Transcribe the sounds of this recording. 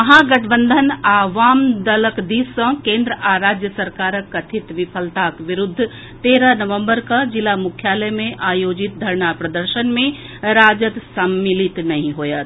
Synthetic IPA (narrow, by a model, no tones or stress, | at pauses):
ɐɦãɡɐʈʰbə̃nd̪ʱənaːʋaːmd̪ɐləkd̪iːsːɐ̃kẽːnd̪ɾəʔaːɾaːd͡ʒjəsɐɾkaːɾəkːɐt̪ʰɪt̪ʋɪpʰəlt̪aːkʋɪɾʊd̪ʱː | t̪eːɾənɐʋə̃mbəɾkɐd͡ʒɪlamʊkʰjaːləjmẽʔaːjoːd͡ʒɪt̪̚d̪ʱɐɾɳapɾɐd̪əɾʃənmẽ | ɾaːd͡ʒət̪sɐmːɪlɪt̪nɐɦĩɦojət̪